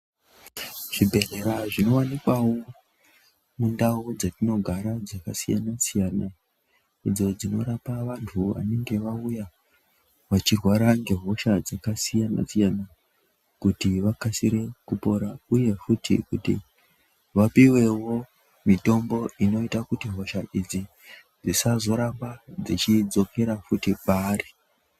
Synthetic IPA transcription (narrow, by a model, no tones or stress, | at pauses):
ʐ̥ibʱe̞re̞ɾaʐino̞wanikwawo | mundaud͡zatino̞ɡʱaɾad͡zakasija̰nasijana | id͡zo̞d͡zino̞ɾapaʋantʰuʋa̰ne̞ŋɡe̞ʋauja | ʋat͡ʃirwaɾaŋɡe̞ɦoʃad͡zakasijana̰sijana | kutiʋakasiɾe̞kupo̞ɾauje̞futḭkutḭ | ʋapiwe̞wo̞ | mito̞mbo̞ino̞itakutiɦo̞ʃaʔid͡zi | d͡zisazo̞ɾambad͡zit͡ʃid͡zo̞kʰe̞ɾafutipaːri